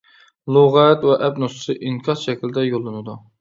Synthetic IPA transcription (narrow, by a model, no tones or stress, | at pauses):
lˠoʁɛt̪wɛʔɛpnossɨʔiŋkʲʰɑsʃɛkʲilɪd̪ɛjolˠːɨnɨd̪u